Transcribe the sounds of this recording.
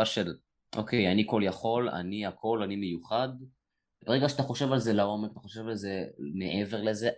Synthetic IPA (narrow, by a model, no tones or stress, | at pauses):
aʃel | ʔo̞kʰe̞janiko̞ljaχo̞la̰niakʰo̞lanimejuχad̪ | ebeʁeɡaʃat̪aχo̞ʃevalzelao̞mekat̪aχo̞ʃe̞valzeneʔeve̞ʁlezeʔ